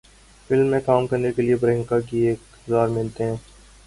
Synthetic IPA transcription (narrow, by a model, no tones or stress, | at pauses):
fɪlmːẽkaːmkɐɾnekeliebɾɦɪ̃ŋkakieːk | zaːɾmɪlt̪eɦɛ̃ː